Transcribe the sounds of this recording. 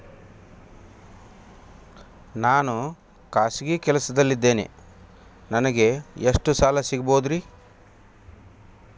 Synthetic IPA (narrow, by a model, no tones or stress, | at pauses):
naːnu | kaːsiɡikɛlɐsɐd̪ɐlːid̪ːe̞ːnḛ | nɐnɐɡe̞eʂʈusaːlɐsiɡɐboːd̪ɾi